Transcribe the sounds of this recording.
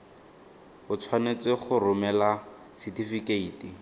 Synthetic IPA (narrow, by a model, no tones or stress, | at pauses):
ʊt͡sʰwanet͡sʼɪχʊrʊmɛla | sitifikeiːti